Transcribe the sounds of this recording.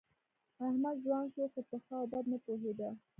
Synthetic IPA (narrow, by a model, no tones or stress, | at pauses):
ahmad̪zwɑnʃoxot̪əxɑb̪ad̪napoɦed̪a